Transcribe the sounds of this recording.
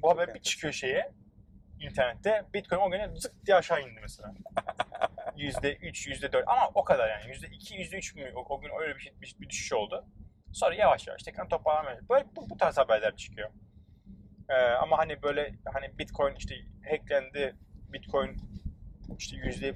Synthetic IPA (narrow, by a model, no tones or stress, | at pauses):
buhabæɾbit͡ʃʰɯ̥kʰɯjo̞ʃe̞jɛ | int̪ʰæɾnɛt̪ʰːɛbit̪̚kʰo̞jnoɟynɛzɯk̚d̪ijaʃaːjind̪ɯmɛselʲaː | jyzd̪ɛʔyt͡ʃjyzd̪ɛd̪øɾt̪amaʔo̞kʰad̪aɾjaːnijyzd̪ɛicʰijyzd̪ɛyt͡ʃmyoɟynøjlʲɛbiʃbibid̪yʃy̥ʃo̞lˠd̪ʊ | so̞nɾajavaʃja̰va̰ʃt̪ʰɛkʰɾant̪ʰo̞plˠaɾlˠamebøbubut̪ʰaːɾzhabæɾlʲæɾt͡ʃʰɯ̥kʰɯjo | ɛːa̰mahanibø̞jlʲɛhanibit̪kʰo̞jniʃt̪ʰɛhɛclʲænd̪ɪbit̪kʰo̞jn | iʃt̪ʰɛjyzd̪ɛ